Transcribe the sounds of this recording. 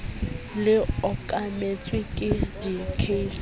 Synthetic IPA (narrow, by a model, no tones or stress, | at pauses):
lɪɔkʼamet͡sʼwɪkʼɪdikʰeis